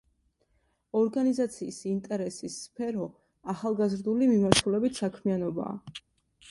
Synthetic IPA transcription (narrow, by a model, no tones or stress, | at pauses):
ɔɾɡanizat̪sʰiːsint̪ʼɛɾɛsisːpʰɛɾɔ | aχalˠɡazɾd̪ulimimaɾt̪ʰulɛbit̪ʰsakʰmianɔba̰ː